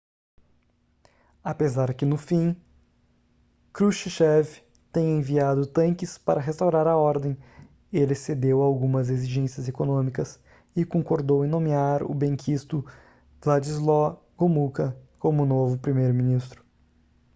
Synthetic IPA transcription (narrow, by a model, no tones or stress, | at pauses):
apezaɾkɪnʊfĩ | kɾuʃiʃɛv | t̪ẽj̃ɐẽviad̪ʊt̪ɐ̃ŋkɪspaɾɐɦest̪awɾaɾɐɔɾd̪ẽj̃ | elɪsed̪ewawɡũmɐzeziʒẽsiɐzekonõmikɐs | ɪkõŋkoɾd̪owẽnõmiaɾʊ̰bẽŋkʰist̪ʊ | vlad͡ʒizlɔ | ɡ̥omukɐkõmʊnovʊpɾimejɾʊminist̪ɾʊ̥